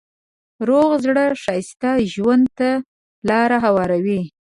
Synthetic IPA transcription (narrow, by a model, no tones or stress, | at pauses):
ɾoɣzɽəʂɑjst̪aʒwand̪̚t̪a | lɑɾaɦawɑɾawi